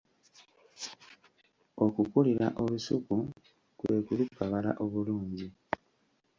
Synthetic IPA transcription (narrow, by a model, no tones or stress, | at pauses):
o̞kukuliɾa̰ʔoβusuku | kwe̞ːkulukːaβala̰ʔo̞βuluːɲɟi